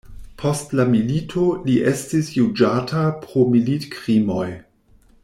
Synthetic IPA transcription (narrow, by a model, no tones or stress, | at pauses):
pʰo̞stlamilitʰoliʔe̞stisjud͡ʒatʰapɾomilitkʁimo̞j